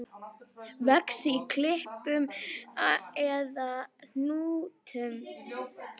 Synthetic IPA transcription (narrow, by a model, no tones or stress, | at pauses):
vɛksɪikʰlɪhpʏm | ɛðan̥uːt̪ʰʏm